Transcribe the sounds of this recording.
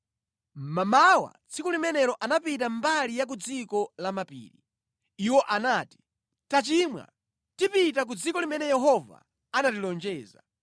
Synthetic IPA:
mamawa̰t͡sʰikulimɛnɛɾɔʔanapit̬ambalijak̬ud͡zikɔlamapḭːɾi | iwɔʔanaːti̥ | tat͡ʃimwa̰ | tipit̬ak̬ud͡zikɔlimɛnɛjɛɦɔva̰ | anatilɔnd͡ʒɛːza

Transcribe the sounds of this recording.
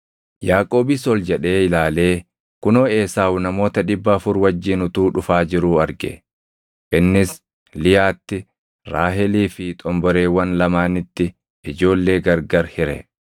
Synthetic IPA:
jaːkʼo̞ːbɪsɔld͡ʒɛᶑe̞ːɪlaːle̞ː | kʊnoːe̞ːsaːwnɐmo̞ːt̪ɐᶑɪbːɐːfʊɾwɐd͡ʒːɪːnʊt̪uːᶑʊfaːd͡ʒɪɾuːɐɾɡɛ̰ | ʔɪnːɪs | lɪjaːt̪ːɪ | ɾaːɦɛliːfɪt̪ʼɔmbɔɾe̞ːwɐnlɐmaːnɪt̪ːɪ | ɪd͡ʒo̞ːlːe̞ːɡɐɾɡɐɾhɪɾɛ̰

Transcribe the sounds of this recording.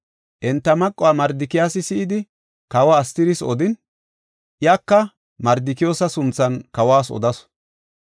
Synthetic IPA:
ʔɛnt̪ːɐmɐkʼːʊwaːmɐɾd̪ɪkɪjaːsɪsɪːd̪ɪ | kɐwaːst̪ɪɾɪsɔ̰d̪ɪn | ʔɪjaːkːɐ | mɐɾd̪ɪkɪjoːsɐsʊnt͡sːɐnkɐwaːsɔ̰d̪ɐs

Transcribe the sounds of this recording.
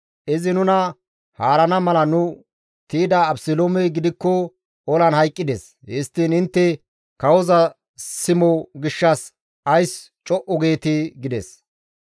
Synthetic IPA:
ʔɪzɪnʊnɐ | haːɾɐnɐmɐlɐnʊ | t̪iːd̪ɐːbsɪloːmɛɡɪd̪ɪkːɔ | ɔlɐnhɐjkʼːɪd̪es | hɛst̪ːiːnɪnt̪ːɛ | kɐwɔzɐ | sɪmɔɡɪʃːɐs | ɐjs | t͡ʃʼɔʔɔɡe̞ːt̪ɪɡɪd̪ɛ̰s

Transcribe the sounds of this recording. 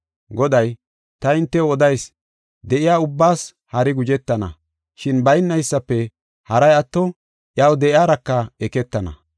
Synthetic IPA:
ɡɔd̪ɐj | t̪ɐɪnt̪ːɛwɔd̪ɐjs | d̪ɛʔɪjaːʊbːaːs | hɐɾɪɡʊd͡ʒɛt̪ːɐnɐ̰ | ʃɪnbɐjnːɐjɪsːɐpːɛ | hɐɾɐjɐt̪ːɔ | ʔjaːwd̪ɛʔɪaːɾɐkːɐɛkɛt̪ːɐnɐ̰

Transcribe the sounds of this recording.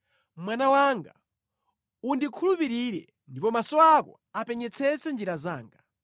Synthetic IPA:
mwanawaŋɡa | undikʰulupiɾiɾɛ̰ | ndipɔmasɔakɔ̰ | apɛɲɛt͡sʰɛt͡sɛnd͡ʒiɾaza̰ːŋɡa

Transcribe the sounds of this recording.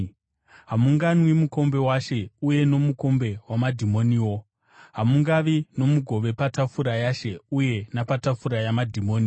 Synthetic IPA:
ɦamuŋɡanwimuko̞mbe̞waʃe̞uje̞no̞muko̞mbe̞wamadʱimo̞niːwo̞ | ɦamuŋɡaʋino̞muɡʱo̞ʋe̞patafuɾajaʃe̞uje̞napatafuɾajamadʱimo̞ːni

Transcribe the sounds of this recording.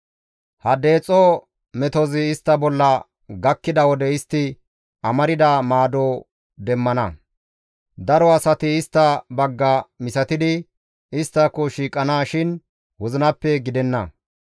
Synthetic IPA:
hɐd̪e̞ːt͡sʼɔ | mɛt̪ɔzɪːst̪ːɐbɔlːɐ | ɡɐkːɪd̪ɐwɔd̪ɛɪst̪ːɪ | ɐmɐɾɪd̪ɐmaːd̪o | d̪ɛmːɐnɐ | d̪ɐɾɔɐsɐt̪ɪːst̪ːɐbɐɡːɐmɪsɐt̪ɪd̪ɪ | ɪst̪ːɐkːɔʃiːkʼːɐnaːʃɪn | wʊzɪnɐpːɛɡɪd̪ɛnːɐ̰

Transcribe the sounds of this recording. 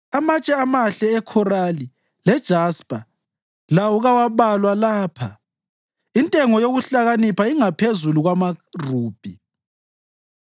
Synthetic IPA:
amat͡ʃʼɛamaɬɛːkʰɔrali | lɛd̥ʒ̥ʱaspʼa | lawɔɣawaβalwalaːpʰa | intʼɛŋɔjoɣuɬaɣanipʰaiŋapʰezuluɣwamaruːb̥ʱi

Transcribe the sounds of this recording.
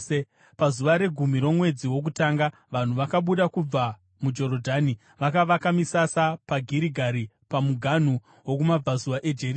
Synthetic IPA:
e | pazuʋaɾe̞ɡʱum̤iɾo̞mwe̞d͡ziwo̞k̬utaːŋɡa | ʋan̤uʋakaɓuɗakub͡va | mud͡ʒo̞ɾodʱani | ʋakaʋakamisasapaɡʱiɾiɡʱaɾi | pamuɡʱan̤u | wo̞kumab͡vazuʋaʔe̞d͡ʒeri

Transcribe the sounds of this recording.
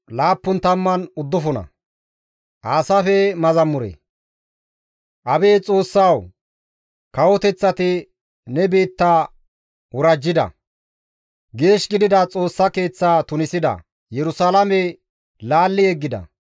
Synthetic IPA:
laːpːʊnt̪ɐmːɐnʊd̪ːʊfɔnɐ̰ | ʔaːsɐfɛmɐzɐmːʊɾḛ | ʔɐbe̞ːt͡sʼo̞ːsːaw | kɐwɔt̪ɛt͡sːɐt̪ɪ | nɛbe̞ːt̪ːaː | wʊɾɐd͡ʒːɪd̪ɐ̰ | ɡe̞ːʃɡɪd̪ɪd̪ɐt͡sʼo̞ːsːɐke̞ːt͡sːaːt̪ʊnɪsɪd̪ɐ̰ | jɛɾʊsalɐmɛ | laːlːɪɛɡːɪd̪ɐ̰

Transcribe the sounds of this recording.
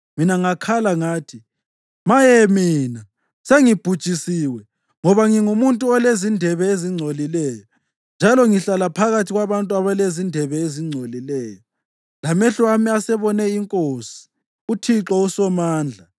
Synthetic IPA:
minaŋakʰalaŋaːtʰi | majɛmiːna | seŋib̥ʱud̥t͡ʃʼisiwɛ | ŋɔβaŋiŋumuntʼuɔlezindʱɛβɛeziŋ͡ǀʱolilɛːjɔ | nd͡ʒʱalɔŋiɬalapʰaɣatʰiɣwaβantʼuaβalezindʱɛβɛeziŋ͡ǀʱolilɛːjɔ | lamɛɬwamiasɛβɔnɛiŋkʼosi̥ | utʰiǁɔusɔmaːnd͡ɮʱa

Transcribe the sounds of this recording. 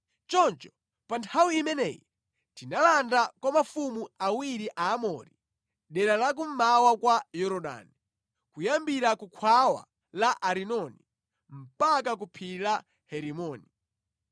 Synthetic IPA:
t͡ʃɔnt͡ʃɔ̥ | pantʰawiimɛnɛ̰jḭ | tinalandakwamafumuawiɾiʔaːmɔ̰ɾi | ɗɛɾalak̬um̩mawakwajɔɾɔɗa̰ːni | kujambiɾakukʰwawa̰ | laʔaɾinɔnḭ | m̩pakak̬upʰila | hɛɾimɔːni

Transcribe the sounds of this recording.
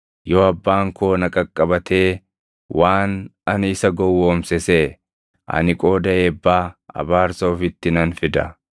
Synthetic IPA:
joːɐbːaːŋkoːnɐkʼɐkʼːɐbɐt̪ʰe̞ː | waːnɐnɪsɐɡɔwːoːmsɛseː | ʔɐ̰nɪkʼo̞ːd̪ɐeːbːaːɐ̰baːɾsɐːfɪt̪ːɪnɐnfɪd̪ɐ

